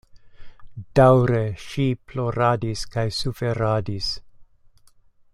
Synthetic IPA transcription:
d̥awɾeʃiploɾadiskajsufeɾadis

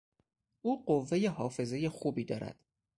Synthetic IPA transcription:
ʔuːɢovːe̞jeɦɒːfe̞ze̞jexuːbiːd̪ɒːɾæ̰d̪̥

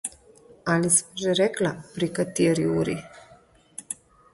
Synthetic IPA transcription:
alismʒɛɾɛklapɾikat̪ieɾiuɾi

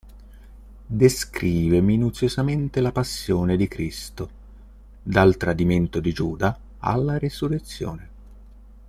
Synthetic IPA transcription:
d̪eskɾiːveminut̪sjozament̪elapasːjoːned̪ikɾist̪o | d̪alt̪ɾad̪iment̪od̪id͡ʒuːd̪a | a̰lːaɾesuret̪sːjoɔ̰ːne

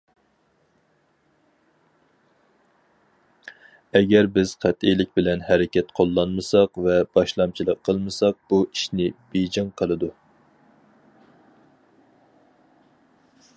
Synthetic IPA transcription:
ɛɡʲɛɾbɪz̥qʰæt̪ijlɪkʲbɪlɛnhɛɾɪkʲɛt̪qʰolˠːɑnmɨsɑqvɛb̥ɑʃlˠɑmt͡ʃʰilˠəqʰːəlˠmɨsɑq̚b̥uʔiʃnɪb̥ed͡ʒɑŋqʰəlˠɨd̪u

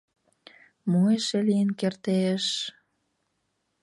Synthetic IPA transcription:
mueʃelijənkert̪eʃ

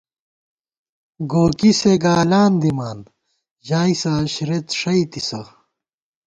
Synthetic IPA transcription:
ɡoːkiseɡaːlaːnd̪imaːn | ʑaːisaɕiɾet̪ʂɐit̪isɐ

